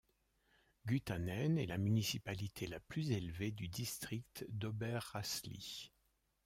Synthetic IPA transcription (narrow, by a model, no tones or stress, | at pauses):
ɡʲyt̪anɛnɛlamynisipalit̪ʰelaplyzelved̪yd̪ist̪χik̚t̪d̪ɔbɛʁːaslḭ